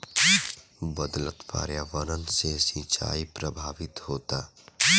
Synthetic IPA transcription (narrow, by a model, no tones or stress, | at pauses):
bəd̪lət̪pa̰ːɾjaːʋəɾənsesĩːt͡ʃa̰ːipɾəbʱaːʋɪt̪hoːt̪aː